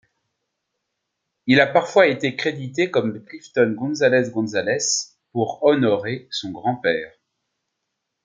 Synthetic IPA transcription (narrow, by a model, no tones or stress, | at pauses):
ilapaʁfwaet̪ekχed̪it̪ekɔmləklift̪ɔnɡɔ̃nzalɛsɡɔ̃zalɛs | puʁɔnɔʁesɔ̃ɡʁɑ̃pɛːʁ